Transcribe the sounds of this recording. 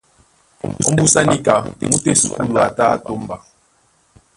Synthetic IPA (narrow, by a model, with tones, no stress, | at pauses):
o̰˦m̩˦bu˦sa˦ni˦ka˨mu˦te˨su˨ku˦la˨ta˦a̰˦˨to˦mba˨